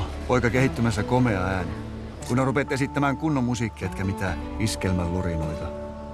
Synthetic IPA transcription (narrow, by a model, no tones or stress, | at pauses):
poikɑkehit̪ːymæsːækomeɑæːni | kunːerupet̪esit̪ːæmæːŋkunːomːusikːiet̪kæmit̪æiskelmællurinoit̪ɑ